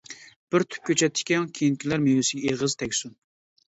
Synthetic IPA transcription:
b̥ɪɾt̪ʰy̥p̚kʲʰøt͡ʃʰɛt̪ʰːɪ̥kʲɛŋkʲʰejinkʲʰilæɾmewɪsɪɡʲɛeʁəz̥t̪ʰɛkʲsun

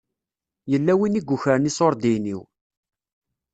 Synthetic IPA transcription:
jəlːæwiniɡʷːuçəɾənisoɾˤd̪iniw

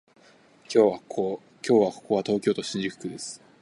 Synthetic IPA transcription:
oβa | kʲo̞ːβako̞̥ko̞βat̪o̞ːkʲo̞ːt̪o̞ɕĩɲ̟d͡ʑikɯ̥kɯ̟d̪e̞sɨ̥

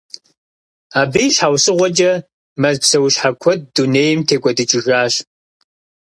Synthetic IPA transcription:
aːbijɕħaːwsɨʁʷɔt͡ʃʼɐ | mɐzpsɐwɕħakʷʰɔt̚duneːjɪmtʰeːkʷʼɔdɨt͡ʃʼɪʒaːɕ

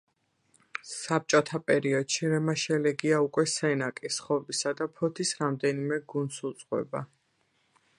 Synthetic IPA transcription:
sap̚t͡ʃʼɔt̪ʰapʼɛɾiɔd̪̥ʃiɾɛmaʃɛlɛɡiaukʼwɛsɛnakʼisχɔbisad̪apʰɔt̪ʰisɾamd̪ɛnimɛɡund̪sut̪sʼqʼwɛ̰ba̰

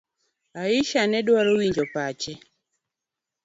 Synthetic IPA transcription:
aiʃaneɗwaluwiɲd͡ʒɔpaːt͡ʃɛ

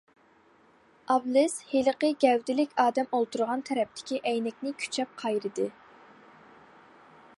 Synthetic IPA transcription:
ʔɑblˠɪsheləqəɡʲɛwd̪ɪlɪkʲɑːd̪ɛmolˠt̪ʰuɾʁɑnt̪ʰɛɾɛp̚t̪ʰɪ̥kʲiʔɛjnɛkʲnɪkʲʰy̥t͡ʃʰɛp̚qʰɑjɾɨd̪ɨ

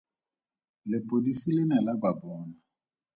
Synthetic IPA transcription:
lɪpʼodisilɪnɛlababɔːna

